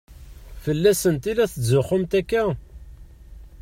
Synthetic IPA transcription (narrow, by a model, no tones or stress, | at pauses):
fəlːæsənt̪ilæθəzʊχʊmt̪ækːæ